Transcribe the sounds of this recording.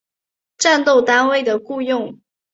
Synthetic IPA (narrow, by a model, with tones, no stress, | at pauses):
ʈ͡ʂa˥˧nt̪o˥˩ʊt̪a˥nwe˥˩ɪd̪ə˩ku˥˧jʊ˥˩ŋ